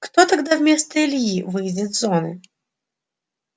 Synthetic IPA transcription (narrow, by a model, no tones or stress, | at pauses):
kt̪ɔt̪aɡd̪avmʲɛst̪əilʲjivɨjd͡zʲɪd̪zɔnɨ̰